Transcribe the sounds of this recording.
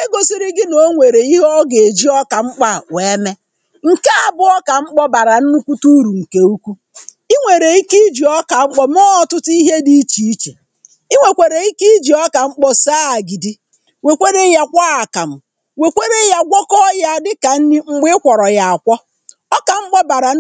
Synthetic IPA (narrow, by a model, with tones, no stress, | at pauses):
e˦ɡo˨si˦ɾɪ˦ɡɪ˦no˨˦ŋʷe˨ɾe˨i˦ɦɔ˦ɡe˨d͡ʒi˦ɔ˦ka˨ŋ͡m̩˦k͡pa˦˨we˨˦me˦ | ŋ̩˨ka˦a˨bʊ˦ɔ˦ka˨ŋ͡m̩˦k͡pɔ˦ba˨ɾa˨n̩˦nu˦kʷu˦tu˦ɾu˨ŋ̩˨ke˨u˦kʷu˦ | i˦ŋʷe˨ɾe˨i˦ki˦d͡ʒi˨ɔ˦ka˨ŋ͡m̩˦k͡pɔ˦m˦ɔ˦ɔ˨tʊ˦ti˦ɦe˦di˦t͡ʃi˨i˦t͡ʃe˨ | i˦ŋʷe˨kʷe˨ɾe˨i˦ki˦d͡ʒi˨ɔ˦ka˨ŋ͡m̩˦k͡pɔ˦saː˦a˨ɡi˨di˦ | we˨kʷe˦ɾe˦ja˨kʷa˦a˨ka˨m̩˨ | we˨kʷe˦ɾe˦ja˨ɡʷɔ˦kɔ˦ja˦˨dɪ˦ka˨n̩˦ni˦ŋ͡m̩˦ɡ͡bɪ˦kʷɔ˨ɾɔ˨ja˨a˨kʷɔ˦ | ɔ˦ka˨ŋ͡m̩˦k͡pɔ˦ba˨ɾa˨